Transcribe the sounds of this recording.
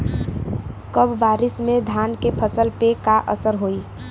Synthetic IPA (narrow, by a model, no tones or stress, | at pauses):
kəbbaːɾɪsmẽd̪ʱaːnkepʰəsəlpekaʔə̰səɾɦoi